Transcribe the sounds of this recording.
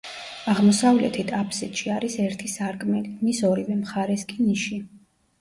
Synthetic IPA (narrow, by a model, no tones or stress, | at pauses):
aʁmɔsavlɛ̰t̪ʰit̪ʰapʰsɛt̪ʃiaɾisɛɾt̪ʰisaɾkʼmɛlimisɔɾivɛmχaɾɛskʼiniʃi